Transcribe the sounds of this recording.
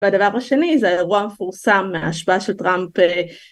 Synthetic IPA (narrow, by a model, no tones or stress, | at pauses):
vead̪avaʁaʃe̞nizeaʁuamefuʁsamːeaːʃbaaʃelt̪ʁampe